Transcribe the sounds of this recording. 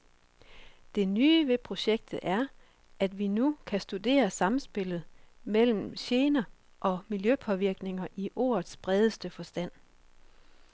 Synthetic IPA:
d̥e̝nyːʋe̝pʰʁo̝ɕeɡ̥̚d̥ð̩ˠʔæɐ | ʔæd̥ʋinukʰæsd̥ud̥e̝̰ːɐsɑ̈m̩sb̥e̝l̰ð̞̩ˠmel̰m̩ɕe̝ːnɐ | ʔɒ̽miljøpʰɒ̽ʋiɐɡ̥ne̝ŋɐʔiʔo̝̰ːɐð̩ˠsb̥ʁɛð̞ˠəsd̥əfɒ̽sd̥æn̰

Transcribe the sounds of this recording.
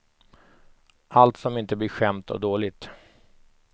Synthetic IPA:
ʔalt̪sɔmɪnt̪əblɪɾɧɛmt̪ʰɔ̰d̪oːlɪɡt̪

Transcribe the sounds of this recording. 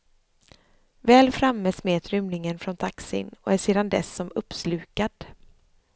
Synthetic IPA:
vɛːlfɾamːɛsmeːt̪ʰɾʏmlɪŋənfɾɔnt̪ʰaksɪ̰nɔ̰æʂeːd̪and̪ɛ̰sːɔmɵpːslʉ̟ːkad̪̥

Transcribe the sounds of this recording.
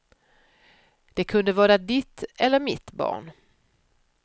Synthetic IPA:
d̪̥ɛkʰɵnd̪əvɑːɾad̪ɪt̪ɛlːəɾmɪt̪bɑ̰ːɳ

